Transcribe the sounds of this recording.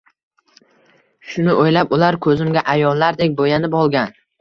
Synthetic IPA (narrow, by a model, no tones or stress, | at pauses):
ʃʊnɪʔojlapʊlaɾkʰɵzɪmɡʲaʔajɒlˠːaɾd̪ek̚ʲbojanɪpɒlˠɡʲan